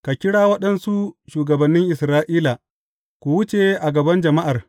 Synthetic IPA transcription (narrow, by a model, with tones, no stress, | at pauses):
ka˨kʲɪ˦ɽaː˦wɐ˦ɗɐ˦nsu˦ʃuː˨ɡɐ˨bɐ˨nːɪ˦ŋʔɪ˨sɾaː˦ʔiː˦la˨ | kʷu˨wʊ˦t͡ʃe˨ʔa˨ɡɐ˨bɐ˦nd͡ʒɐ˨ma˦ʔa˨r